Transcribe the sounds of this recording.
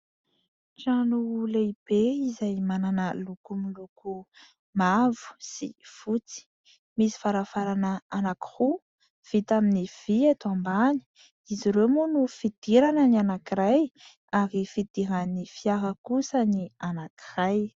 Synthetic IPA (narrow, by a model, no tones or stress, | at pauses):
ʈ͡ʂanuulaib̥eizajmananəlukumiluku | mavu̥sḭfut͡si̥ | misi̥faɾafaɾanəanaki̥hu | v̥it̪aminiv̥iat̪ambani̥ | iziɾewmunufid̪̥iɾanənianakiɾaj | aɾifid̪̥iɾanifijaɦəkusənianaki̥raj